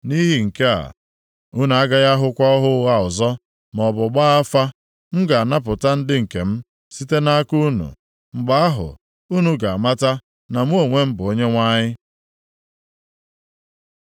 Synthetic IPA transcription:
ni˦ɦi˨ŋ̩˨ke˦a̰˨ | u˦nu˨a˦ɡa˦ɣa˦ɦʊ˦kʷɔ˦ɔ˦ɦʊ˦ɣa˦ʊ˨zɔ˦ | m˨ɔ˨bʊ˨ɡ͡ba˦a˦fa˦ | m̩˦ɡa˨a˨na˦p̬ʊ˨ta˦n̩˦dɪ˦ŋ̩˨ke˨m̩˦ | si˦te˦na˦ku˦nṵ˨ | ŋ͡m̩˨ɡ͡ba˦a˦ɦʊ̰˨ | u˦nu˦ɡa˨a˨ma˦ta˦ | na˨m̩˦o˨ŋʷe˦m̩˦bʊ˨o˦ɲe˦ŋʷa˦ɲɪ˦

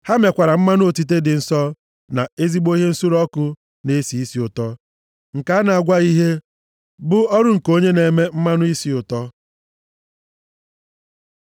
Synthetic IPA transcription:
ha˦me˨kʷa˨ɾa˨m̩˦ma˦nʊ˦o˨ti˦t̬e˦dɪ˨n̩˦sɔ˦ | na˨e˦zi˦ɡ͡bo˦i˦ɦe˦n̩˦su˦ɾɔ˦kʊ˨ | ne˦si˨i˦si˨ʊ˨tɔ˦ | ŋ̩˨ka˨˦a˦na˨a˨ɡʷa˦i˦ɦe˦ | bʊ˦ɔ˦ɾʊ˦ŋ̩˨ko˦ɲe˦ne˨me˦m̩˦ma˦nʊ˦i˦si˨ʊ˨tɔ˦

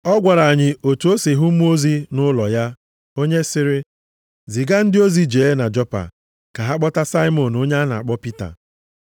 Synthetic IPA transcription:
ɔ˦ɡʷa˨ɾa˨ɲɪ˨o˨tu˨o˦si˨ɦu˦m̩˦m˦o˦zi˦nʊ˦lɔ˨ja˦ | o˦ɲe˦sɪ˦ɾɪ˦ | zi˨ɡa˦n̩˦dɪ˦o˦zi˨d͡ʒe˨˦na˨d͡ʒɔ˦pa̰˨ | ka˨ɦa˦k͡pɔ˦ta˦sa˦ɪ˦mɔ˨no˦ɲe˦a˦na̰˨a˨k͡pɔ˦pi˦ta̰˨

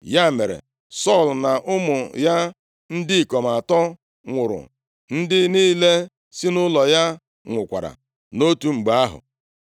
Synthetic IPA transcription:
ja˦˨me˨ɾḛ˨ | sɔ˦˨lna˨ʔʊ˦mʊ˨ja˦ | n̩˦dɪ˦˨kɔ˨m˨a˨tɔ˦ | ŋʷʊ˨ɾʊ̰˨ | n̩˦dɪ˦niː˦le˦ | si˦nʊ˦lɔ˨ja˦ | ŋʷʊ˨kʷa̰˨ɾa̰˨ | no˦tu˨ŋ͡m̩˨ɡ͡ba˦a˦ɦʊ̰˨

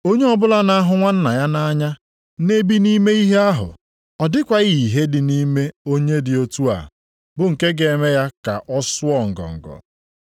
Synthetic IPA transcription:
o˦ɲe˦ɔ˦bʊ˦la˦na˦a˦ɦʊ˨ŋʷa˦n̩˦na˨ja˦na˦ɲa˦ | ne˦bi˦ni˦me˦i˦ɦe˦a˦ɦʊ̰˨ | ɔ˨dɪ˦kʷa˨ɣi˦˨i˨ɦe˦dɪ˨ni˦me˦o˦ɲe˦dɪ˨o˦tu˦a̰˨ | bʊ˨ŋ̩˨ke˦ɡe˨me˦ja˦ka˨ʔɔ˦sʊ˦ɔ˨ŋ̩˨ɡɔ̰˨ŋ̩˨ɡɔ̰˨

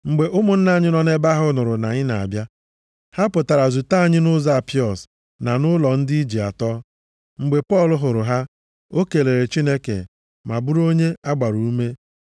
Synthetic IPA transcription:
ŋ͡m̩˨ɡ͡be˨ʔʊ˦mʊ˨n̩˦na˦˨ɲɪ˦nɔ˨ne˦ba˦ɦʊ˦nʊ˨ɾʊ˨na˨ɲɪ˦na˨a̰˨bja˦ | ha˦pʊ˨ta˨ɾa˨zu˨ta˦a˦˨ɲɪ˦nʊ˦za˦˨pɪ˦ɔ˨s | na˨nʊ˦lɔ˨n̩˦di˦i˦d͡ʒi˨a̰˨tɔː˦ | ŋ͡m̩˨ɡ͡be˨pɔ˦˨lʊ˨ɦʊ˨ɾʊ˨ɦa˦ | o˦ke˨le˨ɾe˨t͡ʃi˦ne˦kḛ˨ | ma˨bu˦ɾo˦ɲe˦a˦ɡ͡ba˨ɾu˨u˦me˦

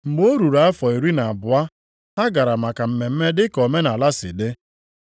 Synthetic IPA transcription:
ŋ͡m̩˨ɡ͡bo˦ɾu˨ɾa˨a˦fɔ˨e˨ɾi˦na˨bʊ˨a˦ | ɦa˦ɡa˨ɾa˨ma˨ka˨m̩˨me˨m̩˦me˦dɪ˦kɔ˨me˦na˨la˦sɪ̰˨dɪ˦

